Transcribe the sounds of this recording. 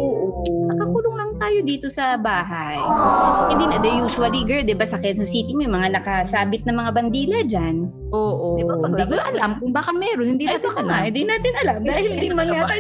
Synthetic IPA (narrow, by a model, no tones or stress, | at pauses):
ʔoːʔoʔnɐkɐkuːloŋlɐŋt̪aːjo̞d̪iːt̪o̞sɐbaːɦɐ | jhɪnd̪iːnɐd̪ɐjuːʃʊɐliɡɛd̪ɪbasɐkɐjɐnsɐsiːt̪ɪmojʊmɐŋanɐkɐsaːbɪt̪̚nɐmɐŋabɐnd̪iːlɐd͡ʒan | ʔoːʔoaiʔɐlamkʊŋbaːkɐmɛːɾonhɪnd̪iːnat̪oɐlaɪnd̪inaːt̪ɪnʔɐlamd̪aːhɪlhɪninɐmanŋaa